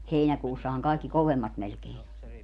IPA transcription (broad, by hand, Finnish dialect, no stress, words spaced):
heinækuːsːɑhɑŋ kɑˑikːi koʋemːɑt melkein o